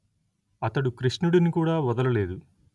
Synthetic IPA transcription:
ɐt̪ɐɽukɾiʂnuɽinikuːɽaːʋɐd̪ɐlɐle̞ːd̪u

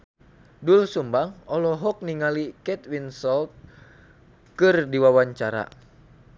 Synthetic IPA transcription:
dulsumbaŋɔlɔɦɔk̚niŋalikɛt̪̚winsɔlt̪̚ | kɨrdiwawaɲt͡ʃaɾa̰

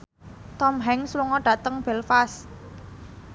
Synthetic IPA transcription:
t̪ɔmɦɛŋsluŋɔɖ̥ä̤t̪əŋb̥ɛlfas

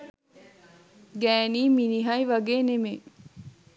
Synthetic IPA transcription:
ɡæːniːminiɦɐiʋɐɡeːneme

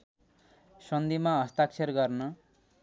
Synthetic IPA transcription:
sʌnd̪imaɦʌst̪aksʰerɡʌrnʌ

